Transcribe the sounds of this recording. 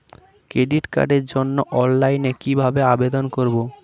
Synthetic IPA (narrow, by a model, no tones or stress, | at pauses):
kɾeɖiʈka̰ɖeɾd͡ʑonːoʔɔnlajnekibʱabeabed̪onkoɾbo